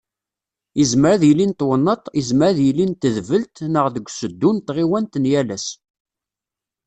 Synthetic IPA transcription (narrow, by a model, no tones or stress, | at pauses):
əzməɾæðjlint̪wənːət̪ˤizməɾðjəlːint̪əðvəlt̪nəʁðəɡʷsəd̪ːunt̪ʁiwænt̪ənjælæs